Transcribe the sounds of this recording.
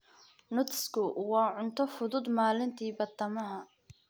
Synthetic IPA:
nʊt̪skʰʊwɑːʕʊnt̪ʰɔfʊðʊd̪maːlɪnt̪ʰiːbɐd̪ɐmɐɦɐ

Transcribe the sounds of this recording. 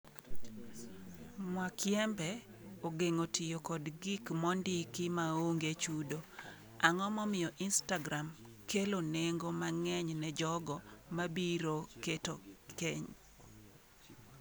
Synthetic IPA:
mwakjɛmbɛ | oɡeŋotʰɪjokɔdɡɪkmɔndɪkɪmaoŋɡet͡ʃudo | aŋɔmɔmɪjɔʔinstaɡɾam | keloneŋɡomaŋɛɲnɛd͡ʒɔɡɔmabiɾoketokeɲ

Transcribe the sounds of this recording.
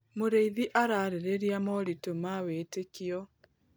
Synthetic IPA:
moɾeiðiʔaɾaːɾeɾeɾjamɔɾitomawetekiɔ

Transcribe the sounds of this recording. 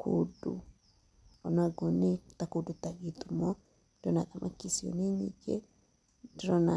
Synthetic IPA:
kʰodṵ | ɔnaɡɔnetakodutaɣit̪umɔ | dɔnaðamʔa̰kisjɔ̰neɲḭɡe | dɾɔna

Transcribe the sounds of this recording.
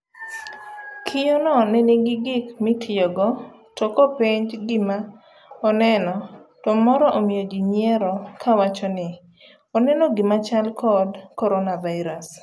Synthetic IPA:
kʰijonɔnɛniɡɪɡɪkmɪtʰɪjɔɡɔ | tɔkɔpɪɲd͡ʒɡɪma | ɔnɛnɔtɔmɔɾɔʔomɪjɔɡiɲjɛɾɔkʰawat͡ʃɔnɪ | ɔnɛnɔɡimat͡ʃalkʰɔdkɔɾɔnavaɪɾas

